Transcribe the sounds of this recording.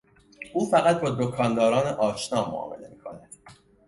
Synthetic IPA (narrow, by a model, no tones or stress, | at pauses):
ʔuːfæɣæt̪̚bɒːd̪okʰɒnd̪ɒːɾɒːneʔɒːʃnɒːmo̰ɒ̰ːme̞le̞̰miːkʰo̞̰næd̪̥